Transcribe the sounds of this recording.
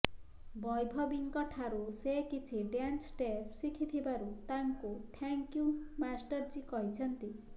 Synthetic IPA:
bɔjbʱɔbiŋkɔʈʰaɾusekit͡ʃʰiɖjansʈepʰsikʰit̪ʰibaɾut̪aŋkuʈʰɛŋkjumasʈɔɾd͡ʒikɔɦit͡ʃʰɔnt̪i

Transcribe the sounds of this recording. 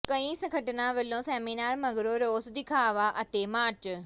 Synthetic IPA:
kɐ̃ĩsɐ̃kʰɐʈɪnãʋɐlõseːmiːnaːɾmɐɡɾoɾoːsd̪ɪkʰaːʋaʔɐt̪emaːɾt͡ɕ

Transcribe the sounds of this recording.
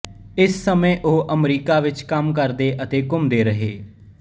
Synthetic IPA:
ɪsːəmẽːʔoːʔəmɾiːkaːʋɪt͡ʃkəmkəɾd̪eːʔət̪eːkʊmd̪eːɾəɦeː

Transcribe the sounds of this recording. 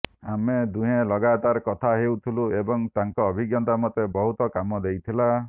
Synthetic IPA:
amed̪uɦẽlɔɡat̪aɾkɔt̪ʰaɦewt̪ʰiluebɔŋt̪aŋkɔːbʱiɡjɔnt̪amɔt̪ebɔɦut̪ɔkamɔd̪ejt̪ʰila

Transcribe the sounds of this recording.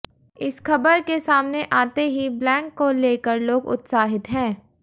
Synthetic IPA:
ɪsxɐbəɾkesaːmneʔaːt̪eɦiblɛ̃ːkːoleːkəɾloːɡʊ̰t̪saːɦɪt̪ɦɛ̃ː

